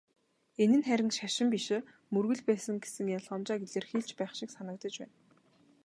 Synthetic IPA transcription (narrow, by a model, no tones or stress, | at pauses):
enɘ̆nχæɾʲɪ̆ŋʃaʃɪ̆mpiʃɘ̆ | mɵrɣɵ̆ɮpæːsə̆ŋɡesɘ̆ŋjaɮɔnt͡ɕaːɡeɮeːrxiːɬt͡ɕpæːχʃɪ̆ksanə̆k̚t̪ə̆t͡ɕpæ̰ːn